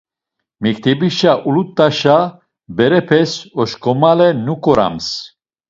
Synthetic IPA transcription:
mikt̪ʰɛbiʃaʔulut̪ʼːaʃa | bɛɾɛpʰɛsɔʃkʼɔmalɛnukʼɔɾa̰ms

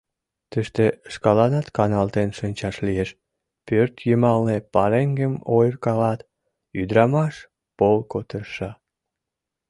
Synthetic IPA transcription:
t̪əʃt̪eʃkɑlɑnɑt̪kɑnɑlt̪enʃənʲt͡ɕɑʃlieʃ | pørt̪jəmɑlnepɑɾeŋɡemojrkɑlɑt̪ | yd̪ɾɑmɑʃ | polkot̪əʃɑ

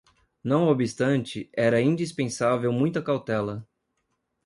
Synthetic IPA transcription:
nɐ̃w̃obist̪ɐ̃nt͡ʃɪɛɾɐĩd͡ʒispẽsavewmũj̃t̪ɐkawt̪ɛlɐ

